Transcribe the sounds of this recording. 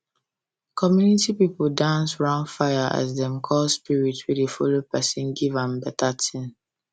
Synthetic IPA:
kʰɔmjunitipipldãnsɹãʊ̃nfaɪjaʔa̰zdɛ̃mkʰɔspiɹitwidefolopɛsĩnɡivãmbɛtʰatʰĩn

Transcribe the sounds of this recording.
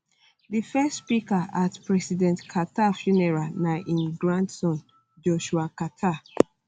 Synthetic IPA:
difɛstspikaʔatpɹɛsidɛ̃ntkʰatafjunɛɹanaʔĩnɡɹãntsɔ̃n | d͡ʒɔʃuakatʰa

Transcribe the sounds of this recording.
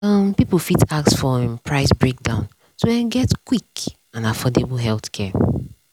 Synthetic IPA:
ʌ̃mpipl̩fitaksfɔ̃mpʰɹaɪsbɹek̚dãʊ̃n | soɛ̃nɡɛtkwik | ãnafɔdebəlɦɛlˠθkʰɛ

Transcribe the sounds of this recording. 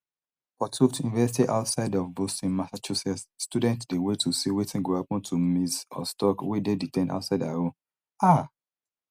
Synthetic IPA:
pɔtʰuktjunivɛsitiʔa̰ʊtsaɪdɔvbostĩnmasat͡ʃusɛssːtudɛ̃ntdewetʰusiwetʰĩnɡohapɔ̃ntʰumisɔ̰stɔkwededitɛ̃na̰ʊtsaɪdaɹõ | a

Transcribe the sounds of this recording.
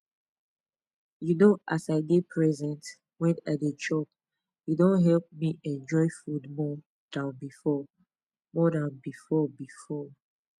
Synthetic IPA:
junoʔasaɪɡepʰɹɛzɛ̃nt | wɛ̃nat̚ət͡ʃɔp̚ | judõnɦɛlp̚miʔɛ̃nd͡ʒɔɪfudmɔ | d̥ãnbifɔ | mɔdãnbifɔbifɔ

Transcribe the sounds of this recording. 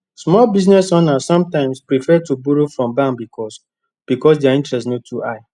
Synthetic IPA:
smɔlbiznɛsɔ̃nasɔ̃mtãɪ̃mspɹifɛtubuɾofɹɔ̃mbãmbikʰɔs | b̥ikɔs̬dɛaĩntɹɛstnotʰuaɪ

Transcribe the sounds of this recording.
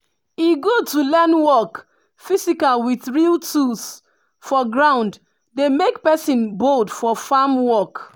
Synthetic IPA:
iɡotulɛnwɔk | fisikalwiθɹiltʰus | fɔɡɹãʊ̃nd | demekpɛsĩnbodfɔfamwɔk

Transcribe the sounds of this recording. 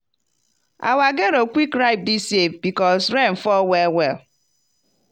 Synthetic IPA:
a̰waɡeɾokʷikɾaɪp̚disefbikɔsɾɛn̩fɔwɛwɛl

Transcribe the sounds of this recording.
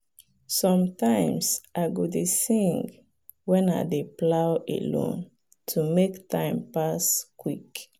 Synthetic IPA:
sɔ̃mtãɪ̃msʔaɪɡɔdesĩŋɡ | wɛ̃na̰deplaʊʔḛlõ̰n | tʰumektʰãɪ̃mpaskwik

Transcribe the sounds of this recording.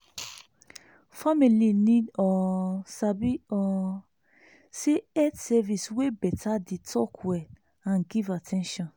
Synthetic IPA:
familinĩdɔsabiɔ | seɛdsɛviswebɛtʰaditʰɔkʰwɛ | ãnɡivatʰɛ̃nʃɔ̃n

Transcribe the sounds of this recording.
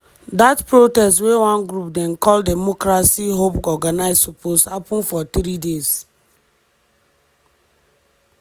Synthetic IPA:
datpɹotɛstwewãnɡɾupdɛ̃nkʰɔldɛmɔkɾasiɦopɔɡanaɪzsopʰoshapɔ̃nfɔtɾidez̥

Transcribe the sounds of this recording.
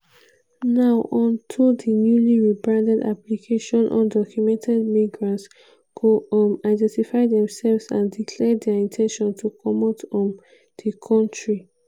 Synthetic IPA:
naʊʔɔ̃ntʰudinjuliɹibɹãndɛda̰plikʰeʃɔ̃nʔɔ̰̃ndɔkʰjumɛ̃ntʰɛdmiɡɹãnts | kʰomaɪdɛ̃ntifaɪdɛ̃msɛlvsã̰ndikʰlɛdɛĩntʰɛ̃nʃɔ̃ntʰukʰɔmɔtɔ̃n | d̥ikʰɔ̃ntɹi

